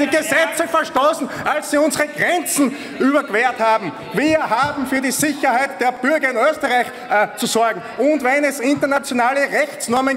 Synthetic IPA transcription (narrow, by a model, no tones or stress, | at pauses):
d̥iːɡəzɛt͡səfɛɐʃtoːsn̩ʔalssiːʊnzəʁəɡ̥ʁɛnt͡sn̩ | ʔyːbɐkv̥eːɐthaːbm̩ | viːɐɦaːbm̩fyːɐɾiːzɪçɐhaɪt̚d̥eːɐb̥ʏɐɡɐɪnøːstəʁaɪç | t͡susɔɐɡŋ̩ʊ̃ntvɛnɛsɪntɐnat͡sjonaːləʁɛçt͡snɔɐmən